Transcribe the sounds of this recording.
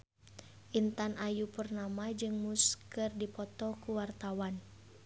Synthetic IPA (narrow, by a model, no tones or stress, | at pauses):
ʔint̪anʔajupərnamad͡ʒɨŋmuskərdipɔt̪ɔkuwart̪awan